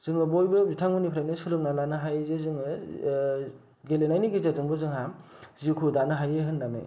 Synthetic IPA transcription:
z̥ɯŋɯbojbɯbitʰaŋbɯnipʰɾajnɯsɯlɯk̚nalanɯɦajzezɯŋɯ | ɡelenajniɡizazɯŋbɯzɯŋɦam | zikʰudanɯɦajeɦɯnːanɯ̰

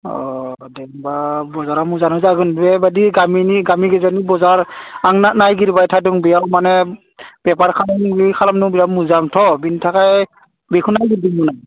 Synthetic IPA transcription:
ɔ̰dɛmbabɔzaɾamuzanɔzaɡɯnbɛbadiɡaminiɡamiɡɛzanibɔzaɹaŋnanajɡiɾbajtʰaduŋbijawmanɛ | b̥ɛpaɹkʰalabikʰalamnuŋbijawmuzamtʰɔbintʰakaj | bekʰunajɡiɾdiŋbuna

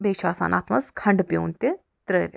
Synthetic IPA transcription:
beːkt͡ʃʰaːsa̰ːnʔa̰ːt̪mɐskʰɐɳɖpjo̰ːnt̪e | t̪ɾəʋe

